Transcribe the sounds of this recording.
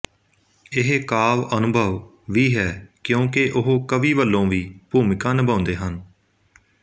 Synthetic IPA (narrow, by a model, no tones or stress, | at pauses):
ɪɦkaːʋənʊbʱəʋ | ʋiːɦɛːkjõːkeʔʊɦoːkəʋiːʋəlːõːʋiːbuːmɪkãːnəbãːnd̪eːɦən